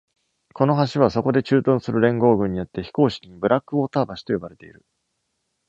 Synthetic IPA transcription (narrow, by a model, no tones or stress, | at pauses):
ko̞noɦaɕiβ̞aso̞ko̞d̪e̞t͡ɕɨːt̪õ̞ɰ̃sɨɾɯ̟ɾẽ̞ŋɡo̞ːɡɯ̟̃ɲ̟ːijo̞t̪ːe̞çi̥ko̞ːɕi̥kʲiɲ̟ibɯ̟ɾakːɯ̟oːt̪aːbaɕi̥t̪o̞jo̞baɾe̞t̪e̞ḭɾɯ̟